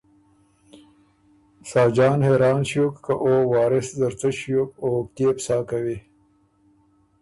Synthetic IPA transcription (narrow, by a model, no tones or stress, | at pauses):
saːd͡ʒɑːnheːɾɑːnɕjokkaʔoːwɑːɾɪszɐɾt͡səɕjok̚oːkt̪eːpsaːkawi